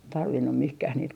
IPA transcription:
tɑrʋinːu mihkæh niːt

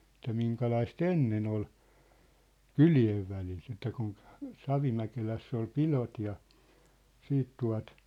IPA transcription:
etˑæ miŋkɑlɑist enːen ol kylieʋ ʋælit etːæ kun sɑʋimækelæsː ol pilot jɑ siːt tuɑ̝t

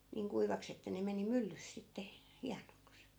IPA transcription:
niːŋ kuiʋɑks etːæ ne meni mylːys sitːe hiɑnoks

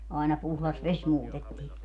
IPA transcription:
ɑinɑ puhlɑs ʋes muːtetːiː

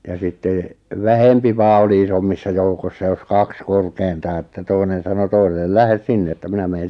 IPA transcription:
jɑ sitːeˑ ʋæhempi ʋɑː oli isomːisːɑ joukosːɑ jos kɑks korkeintɑː etːæ toinen̞ sɑno toiselːel læhes sinːe etːæ minæ meːn̞

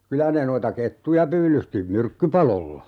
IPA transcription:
kylæ ne noitɑ ketːujɑ pyːlysti myrkːypɑlolːɑ

